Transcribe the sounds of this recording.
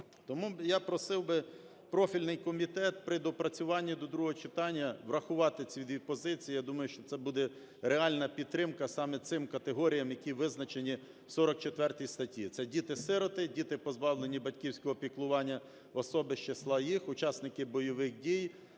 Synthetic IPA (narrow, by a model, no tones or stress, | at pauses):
t̪ɔmujapɾɔsɪwbɪ | pɾɔfʲilʲnɪjkɔmʲit̪ɛt̪̚pɾɪd̪ɔpɾɐt͡sʲʊʋɑnʲːid̪ɔd̪ɾuɦɔɦɔt͡ʃɪt̪ɑnʲːɐʋrɐxʊʋɑt̪ɪt͡sʲiid̪ʋʲipɔzɪt͡sʲijijad̪umɐjʊʃt͡ʃɔt̪ɛbud̪ɛ | ɾeɑlʲnɐpʲid̪̚t̪ːɾɪmkɐsɑmɛt̪sɪmkɐt̪eɦɔɾʲijɐmjɐkʲiʋɪznɐt͡ʃenʲi | wsɔɾɔk̚t͡ʃet̪ʋɛrt̪ijst̪ɐtʲit̪sɛdʲit̪ɪsɪɾɔt̪ɪdʲit̪ɪpɔzbɑwlˠenʲibɐtʲkʲiwsʲkɔɦɔpʲiklˠʊʋɑnʲːɐ | ɔsɔbɪʃt͡ʃeslˠɑjixʊt͡ʃɑsnɪkɪbɔjɔʋɪxdʲij